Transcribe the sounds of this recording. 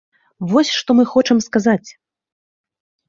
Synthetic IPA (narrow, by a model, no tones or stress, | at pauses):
vɔsʲʂt̪ɔmɨxɔt͡ʂɐmskazat͡sʲ